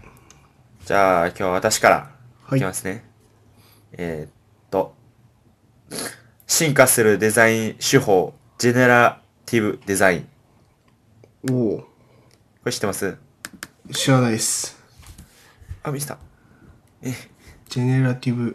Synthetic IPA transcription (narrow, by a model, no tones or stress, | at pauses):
d͡ʑa̰ːkʲo̞ːβaβat̪aɕi̥kaɾa̰ | emasɨne̞ | e | t̪ːo̞ | ɕĩŋkasɨɾɯ̟d̪e̞zaĩɕɨho̞ː | d͡ʑe̞neɾa | t̪ʲʰibɯ̟d̪e̞zaĩ | o | koɕi̥t̪ːemasɨ | ɕianaies | amʲiɕt̪a̰ | e | d͡ʑeneɾat̪ʲibɯ̟